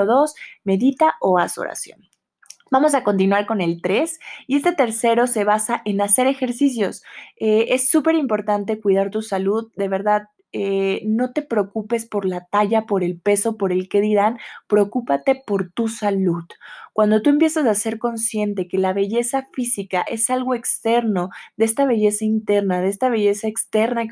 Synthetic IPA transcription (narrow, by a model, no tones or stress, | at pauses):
oðo̞sme̞ðit̪aʔo̞aso̰ɾa̰sjo̞̰n | bamo̞s̬ako̞nt̪̬inwaɾko̞ne̞lt̪ɾe̞sie̞st̪e̞t̪e̞ɾse̞ɾo̞se̞β̞asaʔe̞nase̞ɾe̞xe̞ɾsis̬jo̞see̞sːupe̞ɾimpo̞ɾt̪ant̪e̞kwiðaɾt̪usaluðd̪e̞β̞e̞ɾðað | eno̞t̪e̞pɾeokupe̞spo̞ɾlat̪aʝapo̞ɾe̞lpe̞so̞po̞ɾe̞lke̞ðiɾanpɾeokupat̪e̞po̞ɾt̪usaluðkwand̪o̞t̪ue̞mpje̞sasase̞ɾko̞nsje̞nt̪e̞ke̞laβe̞ʝe̞safisikaʔe̞salɣo̞e̞kst̪e̞ɾno̞ðeest̪aβe̞ʝe̞saint̪e̞ɾnaðeest̪aβe̞ʝe̞saekst̪e̞ɾna